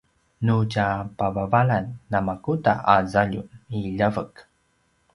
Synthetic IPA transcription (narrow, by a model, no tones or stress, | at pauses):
nucapavavaɭanːamakuta̰ʔazaʎuniʎavək